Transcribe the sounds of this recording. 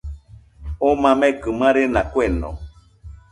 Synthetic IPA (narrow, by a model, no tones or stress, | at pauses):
omãmekɨmãɾenakʷenõ̰